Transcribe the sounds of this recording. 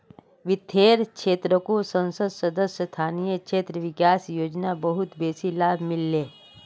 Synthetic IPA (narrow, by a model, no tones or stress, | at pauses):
ʋɪt̪ʰːeːɾkʃʰeːt̪ɾəkosə̃nsəd̪sɐd̪əsjəst̪ʰaːnijəkʃʰeːt̪ɾəʋɪkaːsjoːd͡ʒnabəɦʊt̪beːsilaːbʱmɪlːeː